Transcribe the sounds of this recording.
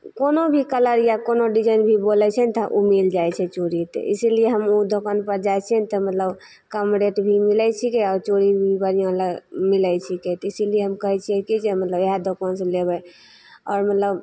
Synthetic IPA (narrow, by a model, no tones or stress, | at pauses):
konobʱikələɾjakonoɖid͡ʒənbʱibolɛt͡ʃʰɛnit̪əʔumild͡ʒajt͡ʃʰɛt͡ʃoɾit̪ḛʔḭsilieɦəmud̪ʱokənpəɾd͡ʒajt͡ʃʰɛnit̪ɔmət̪ləb | kəmɖeʈbʱimilɛt͡ʃʰikeɔɾt͡ʃoɾibʱibəɾijõləɡmilɛt͡ʃʰiket̪ɔisilijeɦəmkəɦɛt͡ʃʰiɛkid͡ʒemət̪ləbeɦad̪ʱokənselebəj | ɔ̰ːɾmət̪ləb